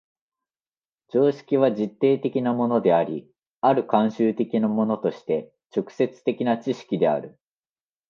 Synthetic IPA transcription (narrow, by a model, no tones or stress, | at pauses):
d͡ʑo̞ːɕi̥kʲiβ̞aʑit̪ːe̞ːt̪e̞kʲinamo̞no̞d̪e̞aɾʲi | aɾɯ̟kãɰ̃ɕɨːt̪e̞kʲinamo̞no̞t̪o̞ɕi̥t̪e̞ | t͡ɕo̞kɯ̟̥se̞t͡sɨ̥t̪e̞kʲinat͡ɕiɕi̥kʲid̪e̞a̰ɾɯ̟